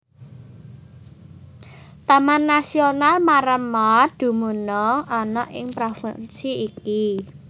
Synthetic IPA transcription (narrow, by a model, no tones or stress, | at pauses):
t̪amanːasionalmaɾəmɔd̪̥ṳmunɔɔnɔʔɪ̰ŋpɾofə̰nsiiki